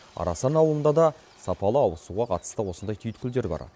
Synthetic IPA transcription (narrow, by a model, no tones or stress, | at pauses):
ɑ̰ɾɑ̰sɑnɑwlˠənd̪ɑd̪ɑ | sɑpɑlˠəɑwəsuʁɑqʰɑt̪ə̥st̪əwo̞sənd̪ɑjt̪ʰʏjt̪kʲʏld̪e̞ɾbɑ̰ɾ